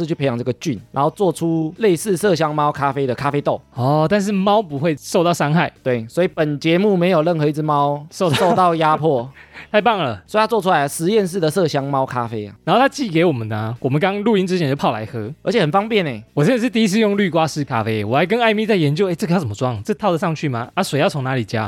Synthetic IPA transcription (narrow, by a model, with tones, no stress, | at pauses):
t͡ɕʰy˥˩pʰe˧˥ɪjɑ˨˩ʈ͡ʂɤ˥ɡə˨˩t͡ɕy˥˩na̰˧˥ŋxo˥˧ʊt͡swɔ˥˨ʈ͡ʂʰu˦˥le˥˧ɪsɹ̩˥˧sɤ˥˨ɕ̬jɑ˥ŋmɑ˦˥ʊkʰa˥fe˥ɪd̪ə˨kʰa˥fe˥ɪt̪o˥˨˩ʊɔ˥˨˩t̪a˥˧nʂ̬ɻ̩˥˨mɑ˦ʊpu˧˦xwe˥˧ɪso˥˧ʊt̪ɑ˥˩ʊsɑ˥ŋxa˥˩ɪt̪we˥˩ɪswɔ˧˥i˨˩pə˨˩nt͡ɕjɛ˧˥mu˥˨me˧˥ɪjo˨ʊlə˥˩nxɤ˧˦i˧˩t͡s̩˥˩mɑ˦ʊo˥˧so˥˧ʊt̪ɑ˥˨˩ʊja˦pʰwɔ˥˩t̪ʰa˥˧ɪpɑ˥˩ŋlə˨˩so˧˥˧jt͡swɔ˥˧ʈ͡ʂʰu˦˥la˧˦ɪə˨˩ʂɻ̩˧˦jɛ˥˧ns̬̩˥˩d̪ə˨sɤ˥˨˩ɕjɑ˥ŋmɑ˥ʊkʰa˥fe˥ɪa̰˨˩n˨no˥˩t̪ʰa˥t͡ɕi˥˩ke˧˥ɪwɔ˨˩mə˨˦nə˨wɔ˨˩mə˦nkɑ˥˦ŋlu˥˧i˥nʈ͡ʂɻ̩˥t͡ɕʰjɛ˧˥n˦jo˥˧pʰɑ˥˩ʊla̰˧˥ɪxɤ˧˥ʔə˧˥t͡ɕʰɛ˨˩hə˨˩nfɑ˥ŋpjɛ˥˨ne˨˩wɔ˨˩ɕɛ˥˧n˥ʂɻ̩˥˧t̪i˥˧i˥t͡sʰɹ̩˥˧jʊ˥˧ŋly˥˧kwa˦ʂɻ̩˥˧kʰa˦fe˥ɪwɔ˨˩a˧˥ɪk̬ə˦na˥˧ɪmi˥˧t͡sa˥˩ɪjɛ˧˦nt͡ɕjo˥˧e˥˩ʈ͡ʂə˥˩ɡə˧jʊt͡sə˩mə˦˥wɑ˥˩ŋt͡sə˥˧t̪ʰd̪ə˩ʂɑ˥˧ŋt͡ɕʰy˥˩ma˨a˥swe˧˥ɪjɑ˥˩ʊt͡sʰʊ˧˦ŋna˧˦li˨˩t͡ɕja˦